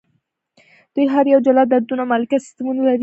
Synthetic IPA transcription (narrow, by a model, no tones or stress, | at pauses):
d̪̥ujɦaɾjawd͡ʒalad̪aɾd̪unamalakasɪ̥st̪amunalaɾi